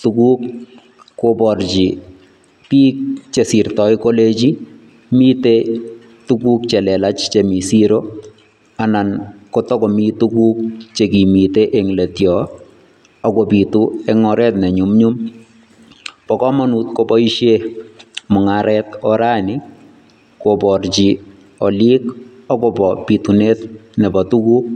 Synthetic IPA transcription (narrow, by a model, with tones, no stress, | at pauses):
tuku˦k̚ː | opɔ˨ɾt͡ʃi˨ | pi˦k̚t͡ʃe˨si˨rtɔ˨jko˦le˦t͡ʃi˦ | mi˦te | tuku˦k̚t͡ʃe˨lɛ˨la˦t͡ʃt͡ʃe˨mi˨siɾo˦ | a˨na˨nkɔ˦tɔ˦kɔ˨mi˦tuku˦k̚t͡ʃe˨ki˨mi˨te˦ʔeŋle˨tjɔ˨ | ɔ˦kɔ˨pi˨tuɛ˦ŋɔ˨ɾɛ˦tnɛ˨ɲu˨mɲum | pɔ˨kɔ˦mɔ˦nu˨t̪kobɔ˦iʃje˦mɔ˨ŋaɾɛtɔɾa˦nɪ | kopɔ˨rt͡ʃi˨ | ɔ˨li˦k | ɔ˦kɔ˨pɔpi˨tu˨ne˦tnɛ˨bɔ˨tu˦kuːk̚